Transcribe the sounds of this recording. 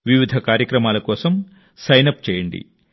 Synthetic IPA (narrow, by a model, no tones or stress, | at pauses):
ʋiʋid̪ʱɐkaːɾjɐkɾɐmaːlɐkɔːsɐm | sɐjnɐp̚t͡ʃɛːjɐɳɖḭ